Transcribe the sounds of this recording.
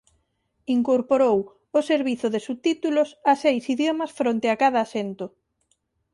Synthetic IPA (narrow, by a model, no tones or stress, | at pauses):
iŋkoɾpoɾow | oseɾβiθʊðesut̪it̪ulʊsasejsiðjomɐsfɾont̪eakað̞ɐːsent̪ʊ